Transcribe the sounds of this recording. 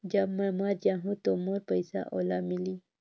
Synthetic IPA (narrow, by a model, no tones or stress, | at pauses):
d͡ʒamamaɾd͡ʒaɦũt̪omoɾpajsa̰ʔolamili